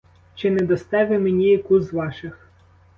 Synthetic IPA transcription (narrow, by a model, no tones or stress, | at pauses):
t͡ʃɪnɛd̪ɔst̪ɛʋɪmenʲikuzʋɑʃɪx